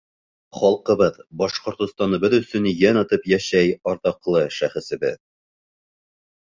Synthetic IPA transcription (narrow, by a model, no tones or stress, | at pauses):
χɒlˠqɤ̆βɤðbɒʃqŏɾt̪ŏst̪ɑnɤ̆bɤðɵ̆sɵ̆njænɒt̪ɤpjæʃæjɒɾt̪ɑqlˠɤʃæχɘ̆sɘ̆bɘð